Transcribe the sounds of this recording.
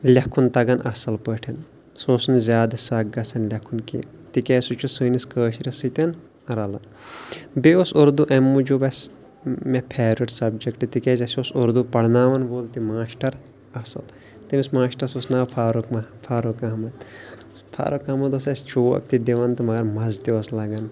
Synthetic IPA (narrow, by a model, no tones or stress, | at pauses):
lʲɐkʰːunt̪ɐɡɐnʔɐsɐlpəʈʰɐn | soːsnzʲaːd̪ɐsɐɡɐsɐnlʲɐkʰunkḭ | t̪ikɛːsut͡ʃʰusɨːniskəːʃɾʲɐsit̪ɐn | ɾɐlɐn | beosoɾd̪uʔɐmːud͡ʒubɐs | mepʰeːɾiʈsɐbd͡ʒɐkʈɨt̪ikeːzɐsiosoɾd̪upɐɽnaːʋɐnʋoːlt̪imaːʃʈɐɾ | ɐsɐl | t̪imismaːʃʈɐɾɐsosnaːpʰaːɾukmɐpʰaːɾokɐɦmɐt̪ | pʰa̰ːɾokɐmɐt̪ɐs̬ɐst͡ʃʰuːɐ̰k̚t̪id̪iʋɐnt̪ɨmɐɡɐɾmɐzt̪ioslɐɡɐn